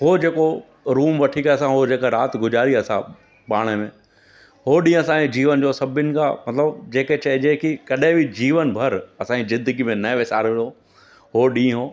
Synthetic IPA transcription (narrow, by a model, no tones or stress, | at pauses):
ɦod͡ʑeːko | ɾuːmʋɐʈʰikaɐsãɦod͡ʑeːkaɾaːt̪ɡʊd͡ʑaːɾiɐsã̰ | paːɽ̃emẽː | hoɗĩːɐsãɲid͡ʑiːʋənd͡ʑoːsɐbʱɪnɪ̆kʰã̰mɐt̪ləbd͡ʑeːket͡ɕɐɦɪd͡ʑekikɐɗẽbʱɪd͡ʑiːʋənbʱɐɾɐsãːd͡ʑizɪd̪əɡimẽnɐʋɪsa̰ːɾʋɪlo | ɦoɗĩːɦoː